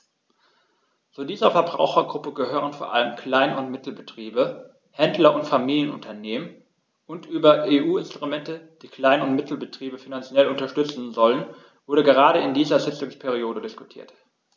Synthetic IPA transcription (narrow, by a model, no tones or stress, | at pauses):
t͡suːdiːzɐfɛɐbʁa̰ʊxɐɡʁʊpəɡəhøːʁ̞ənfoːɐʔa̰ləmkʰl̥aɪnʊntmɪtl̩bətʁ̥iːbə | hɛndlɐʊntfamiːljənʊ̰ntʰɐneːmən | ʔʊntʔyːbɐʔeʔuːɪnstʁ̥umɛntəd̥iːkl̥aɪnʊntmɪtʰl̩bətʁ̥iːbəfinant͡sjɛlʊntɐʃtʏt͡sn̩zɔlən | v̥ʊɐɾdəɡəʁ̞aːɾəɪndiːzɐzɪt͡sʊŋspʰɛʁ̞ioːdədɪskʊtʰiːɐt